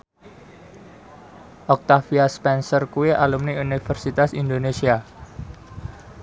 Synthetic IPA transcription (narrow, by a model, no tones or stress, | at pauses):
ʔɔk̚t̪afiaspɛnsɔrkueʔalumniunifərsit̪asind̪onesia